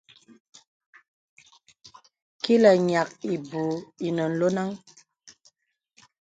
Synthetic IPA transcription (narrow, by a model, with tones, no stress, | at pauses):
ki˦lə˨ɲa˨k̚i˨bu˨i˨nə˨n̩˨lo˦na˦ŋ